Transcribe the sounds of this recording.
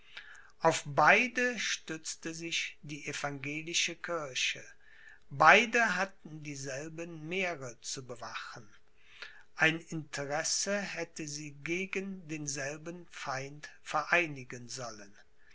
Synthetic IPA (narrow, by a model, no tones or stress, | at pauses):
ʔaʊfb̥aɪdəʃtʏt͡stəzɪçd̥iːʔefaŋɡeːlɪʃəkʰɪɐʃə | baɪdəɦatn̩diːzɛlbənmeːʁət͡subəvaχən | ʔaɪnɪntʰəʁɛsəhɛtəziːɡeːɡəndeːnzɛlbənfaɪntfɛɐʔaɪnɪɡənzɔlən